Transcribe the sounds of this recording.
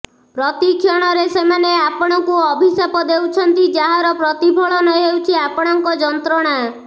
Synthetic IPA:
pɾɔt̪ikʰjɔɽ̃ɔɾesemaneapɔɽ̃ɔkuɔbʱisapɔd̪ewt͡ʃʰɔnt̪id͡ʒaɦaɾɔpɾɔt̪ibʱɔɭɔnɔɦewt͡ʃʰiapɔɽ̃ɔŋkɔd͡ʒɔnt̪ɾɔɽ̃a

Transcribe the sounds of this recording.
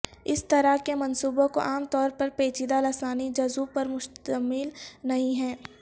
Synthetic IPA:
ɪst̪ɐɾakemɐnsuːbõko̰ʔaːmt̪ɔːɾpɐɾpeːt͡ʃid̪alɐsaːnid͡ʒɐzuːpɐɾmʊʃt̪əmɪlnɐɦĩɦɛ̃ː

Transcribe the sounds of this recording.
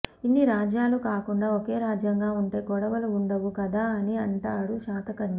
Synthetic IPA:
inːiɾaːd͡ʒjaːlukaːkuɳɖaːoke̞ːɾaːd͡ʒjɐŋɡaːuɳʈeːkɔɽɐʋɐlɐuɳɖɐʋukɐd̪aːɐniɐɳʈaːɽuʃaːt̪ɐkɐɾnɐ

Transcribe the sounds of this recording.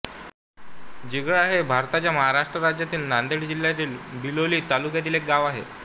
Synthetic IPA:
d͡ʑiɡɭaɦebʱaɾt̪at͡ɕjaməɦaɾaʂʈɾəɾad͡ʑjat̪iːlnand̪eɽd͡ʑiljat̪iːlbiloliːt̪alukjat̪̬iːlek̚ɡaʋaɦḛ

